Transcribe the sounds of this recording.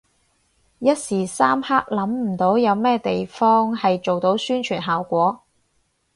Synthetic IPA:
jɐ˥t̚siː˨˩saː˥mhaː˥k̚lɐ˨˥mm̩˨˩t̪o˨˥wjɐ˨˧wmɛː˥t̪e˨jfɔː˥ŋhɐ˨jt͡ʃo˨wt̪o˨˥wsyː˥nt͡ʃʰyː˨˩nɦaː˨wkʷɔː˨˥

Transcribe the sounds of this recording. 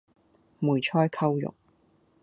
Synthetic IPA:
muː˨˩jt͡ʃʰɔː˥jkʰɐ˥wjʊ̰˨k̚

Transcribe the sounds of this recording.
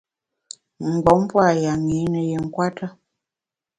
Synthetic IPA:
ŋ̩˨ɡɔ˨˦m˦pwa˦˨ja˨ŋi˨˦nə˨je˨ŋ̩˦kwa˦tʰə˦

